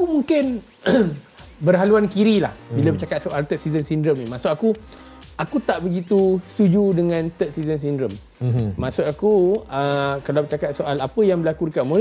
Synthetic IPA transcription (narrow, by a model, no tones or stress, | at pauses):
akumuŋkɪn | bərɦaluankiɾilahbiləbət͡ʃakat̪̚soʔalt̪ət̪̚sizənsindɾəmimaʔsʊʔaku | akut̪aʔbəɡit̪ust̪ud͡ʒudəŋãnt̪ət̪̚sizəns̬indɾəm | mãʔsʊt̪akuəkalawbət͡ʃakat̪̚soʔalapəjaŋbəlakudəkaʔmə